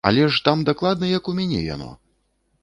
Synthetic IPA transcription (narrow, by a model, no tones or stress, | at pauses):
ɐ̰lʲɛʂt̪amd̪aklˠad̪̚nɐjɐkumʲanʲɛ̰ja̰nɔ̰